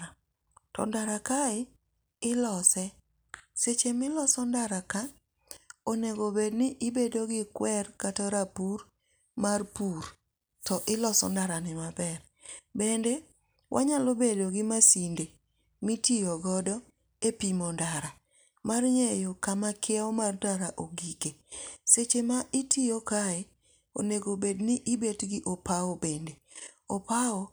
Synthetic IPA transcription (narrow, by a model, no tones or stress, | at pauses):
tɔ̰ndaɾakaɪ | ɪlɔsɛ | set͡ʃemɪlɔsɔndaɾaka | oneɡobednɪʔɪbedoɡɪkwɛrkatɔɾapur | marpuɾ | tɔʔɪlɔsɔ̰ndaɾanɪmabɛr | bendɛ | wʔa̰ɲalobedoɡɪmasinde | mitijɔɡɔdɔ | epimɔndaɾa | marɲejokamakʰɪaɔmardaɾaʔoɡikeset͡ʃemaʔɪtʰijokae | o̰neɡobednɪʔibetɡɪʔopaɔbendeopao